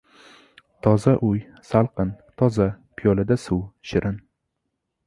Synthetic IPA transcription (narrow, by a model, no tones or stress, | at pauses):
t̪ʰɒzaʔʊj | salˠqɨnt̪ʰɒza | pʰɪjɒlad̪asuwʃɪɾʔɪn